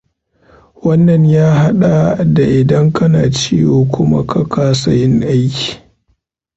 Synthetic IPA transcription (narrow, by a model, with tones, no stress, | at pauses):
wɐ˦nːɐ˨ɲjaː˦ɦa˦ɗa˨da˨ʔɪ˨dɐ˦ŋkɐ˦naː˨t͡ʃḭː˦woː˨kʷʊ˦ma̰˦kɐ˦kaː˦sɐ˨jɪ˦ŋʔa˦jkʲi̥ː˨